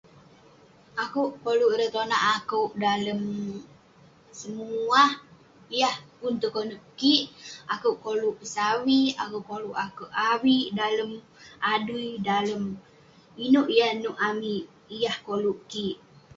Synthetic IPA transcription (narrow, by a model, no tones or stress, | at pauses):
akuwʔkoluʔɾət̪onaʔakəwʔdaləm | səmuah | ijahpunt̪əkonuʔkiʔakəwʔkoluʔsawia̰kuwʔkoluʔakəʔawiʔdaləm | ʔadujdaləm | inuʔijahnuʔamiʔ | jahkoluʔkiʔ